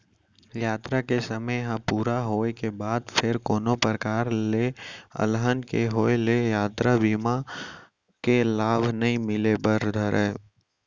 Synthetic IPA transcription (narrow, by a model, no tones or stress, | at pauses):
jaːt̪ɾakesəməjɦapuːɾaɦoːekebaːd̪pʰɪɾkoːnopɾəkaːɾleə̰lɦənkeɦoːelejaːt̪ɾabiːma | kelaːbʱnɐɦĩmɪlebəɾd̪ʱəɾɛː